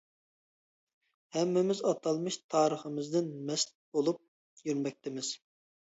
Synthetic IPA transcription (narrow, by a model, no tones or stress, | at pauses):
hɛmːɪmɪzɑt̪ʰɑlˠmɨʃt̪ʰɑːɾəχəmɪzd̪ɪnmɛst̪ | bolˠup̚ | jyɾmɛk̚ʲt̪ʰɪmɪz̥